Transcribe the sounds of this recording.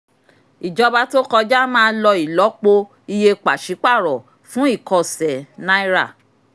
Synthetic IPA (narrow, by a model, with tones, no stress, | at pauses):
i˨d͡ʒɔ˧ba˧to˦kɔ˧d͡ʒa˦mãː˦˧˦lɔ˧i˨lɔ˨˦k͡po˧ | i˧je˧k͡pa˨ʃi˨˦k͡pa˦˨ɾɔ˨ | fũ˦i˦˨kɔ˧sɛ˨nã˦i˦ɾa˦˨